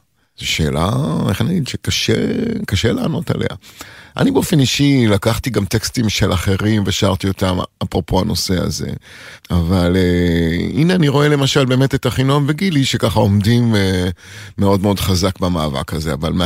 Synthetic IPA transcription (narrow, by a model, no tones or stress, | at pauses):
z̥oʃe̞ːla̰eχaniaɡidʃekaʃḛkaʃe̞laːno̞ta̰lʔe̞̰a̰ʔa̰nibeo̞fe̞niʃilakaχtiɡamt̪e̞kstimʃe̞lʔaχe̞ʁimveʃaaʁt̪io̞tamapʁopʰo̞ano̞se̞a̰ze̞̰avaleineaniʁo̞e̞le̞maʃalbe̞ːme̞t̪etaχinomveɡiliʃekaχao̞mdimeː | eo̞dmeo̞dχazakbamaːva̰kaze̞avalm